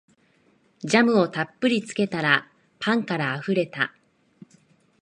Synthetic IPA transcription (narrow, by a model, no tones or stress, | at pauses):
d͡ʑamɯ̟o̞t̪apːɯ̟ɾʲit͡sɨ̥ke̞t̪aɾa | pʰãŋkaɾaːɸɯ̟ɾe̞t̪a̰